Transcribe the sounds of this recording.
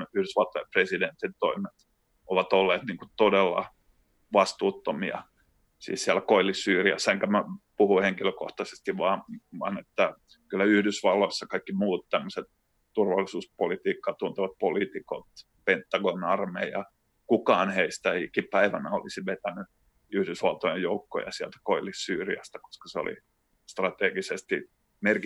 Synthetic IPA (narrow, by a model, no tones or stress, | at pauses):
yhdysʋɑlt̪ojɑpresident̪int̪oimet̪ | oʋɑt̪olːeːt̪niːŋkut̪odelːɑ̰ | ʋɑst̪uːt̪ːomiɑ̰ | sḭːsiælækoilːisyːriæ̰sːeŋkæmæpuhuheŋkiløko̰ht̪ɑse̥st̪iʋʋɑːʋɑ̰net̪ːæ | kylːæyhdysʋɑlːoisːɑkɑikːimuːt̪t̪æmːøset̪ | t̪urʋɑlːisuːspolit̪iːkːɑt̪unt̪eʋɑt̪̚polit̪iko̰t̪ | pent̪ːɑɡonɑrmeijɑ | kukɑːnheist̪æeikipæiʋænæo̰lisiʋet̪æny | yhdysʋɑlt̪ojejoukːo̰jɑ̰siælt̪æ̥koilisyːriæ̰st̪æ̥ko̥skɑ̥seo̰lḭ | st̪rɑt̪eːɡisest̪i | merki